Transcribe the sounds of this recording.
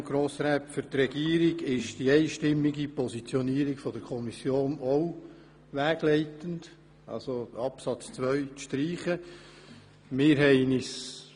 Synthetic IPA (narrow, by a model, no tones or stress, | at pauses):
ɡ̥ɾoːsɾɛpfʏɾt̪rɛɡiːəɾiɡɪʃd̥iɛɪʃtɪmːiɡipɔsit͡sjɔniəɾikfɔd̥̪əɾkʰɔmisjoːnoʊ | ʋæːɡ̥lɛɪtənd | ɑ̰lsoɑpsɑt͡st͡sʋœɥʃtɾiːχə | mɪːɾɦɛɪnis